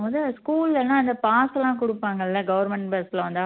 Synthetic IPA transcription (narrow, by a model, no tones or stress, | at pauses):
ʋɐd̪ɯskuːlɪlɐnːaːɐnd̪ɐpaːslãːk̬ʊɽɯpːaːŋɡɐɪlːɐɡɐʋɐɾmɛɳʈpɛslɐʋɐnd̪aː